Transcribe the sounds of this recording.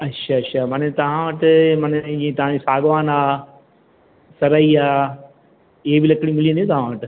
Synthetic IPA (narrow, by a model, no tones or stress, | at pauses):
ɐtːʃʰaɐtːʃʰamɐnet̪ɐʋ̤ãʋɐʈɪmɐnd͡ʑĩːẽt̪ɐʋ̤ãd͡ʑisaːɡʋaːnaː | sɐɾaiaː | ɪɦebɪlɐkɽĩmɪliə̃nj̃t̪ɐʋ̤ãʋɐʈɪ